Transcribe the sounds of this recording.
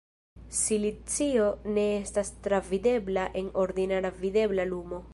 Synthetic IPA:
silit͡sio̞ne̞estastɾavide̞blaʔe̞no̞ɾd̪inaɾavide̞blalumo̞

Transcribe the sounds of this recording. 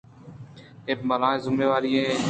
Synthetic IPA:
eːpməlãːẽzʊmeːʋaːɾiẽː

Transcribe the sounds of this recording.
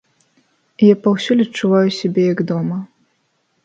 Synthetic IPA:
ijapɐwsʲulʲɐtt͡ʂːuvajusʲabʲɛjɐɡd̪ɔmɐ

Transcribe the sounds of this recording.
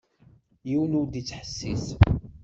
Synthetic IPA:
jiwənud̪it͡sːħə̥sːis

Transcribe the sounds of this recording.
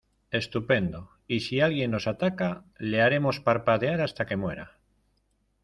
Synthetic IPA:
e̞st̪upe̞nd̪o̞ | isialɣje̞nːo̞sat̪akale̞aɾe̞mo̞spaɾpaðeaɾast̪ake̞mwe̞ɾa̰

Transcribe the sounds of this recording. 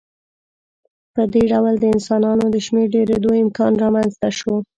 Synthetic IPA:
pəd̪eɖawld̪əɪnsɑnɑnod̪əʃmeɾɖeɾed̪oɪmkɑnɾɑmanzt̪aʃo

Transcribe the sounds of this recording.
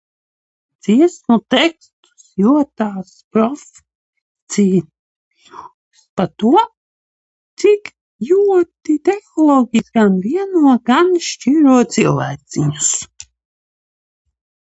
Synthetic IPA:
d̪z̥iɛsmut̪ɛkst̪u̥sjuɔt̪aːspɾɔfʲ | t̪siː | u | spat̪uɔ | t̪sik | juɔt̪it̪ɛxɔlˠɔɡʲisɡanviɛnuɔɡanʃt͡ʃiːɾuɔt̪silˠvæːt̪siɲus

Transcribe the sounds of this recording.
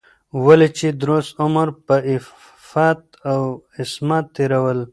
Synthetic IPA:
walet͡ʃed̪ɾosʊməɾpəɪ | fɑt̪ | awɪsmɑt̪ːeɾawəl

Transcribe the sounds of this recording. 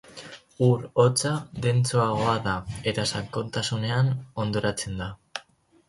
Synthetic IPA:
uɾo̞t͡saðe̞nt͡suaɣ̞o̞aðae̞t̪asaŋko̞nt̪asune̞ano̞nd̪o̞ɾat͡se̞nd̪a

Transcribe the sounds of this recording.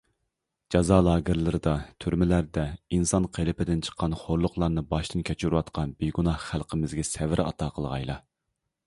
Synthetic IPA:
d͡ʒɑzɑlˠɑːɡʲɪɾlɪɾɪd̪ɑt̪ʰyɾmɪlæɾd̪ɛinsɑnqʰelɪpɪd̪ɪnt͡ʃʰə̥qʰːɑnχoɾlˠʊqlˠɑɾnɨbɑʃt̪ʰɨnkʲʰɛt͡ʃʰyɾuwɑt̪qʰɑnbeɡunɑhχælˠqʰəmɪzɡʲɛsɛvɪɾɑ̰t̪ʰɑːqʰəlˠʁɑ̰jlˠɑ̰

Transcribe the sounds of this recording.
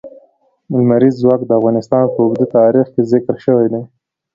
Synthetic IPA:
mʊlmaɾizːwɑkd̪əafɣɑnɪst̪ɑnpəʊɡd̪ut̪ɑɾixkezɪkɾʃəwejd̪ej

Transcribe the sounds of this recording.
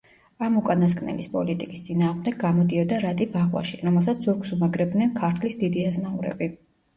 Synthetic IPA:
amukʼanaskʼnɛ̰lispʼɔlit̪ʼikʼi̥st̪sʼinaːʁmd̪ɛɡamɔd̪iɔd̪aɾat̪ʼibaʁwa̰ʃiɾɔmɛlˠs̬at̪sʰzuɾkʼsumaɡɾɛb̚d̪nɛnkʰaɾt̪ʰlisd̪id̪iaznauɾɛ̰bi

